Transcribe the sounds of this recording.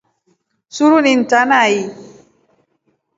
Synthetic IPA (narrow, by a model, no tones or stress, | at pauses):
suɾunin̩tanai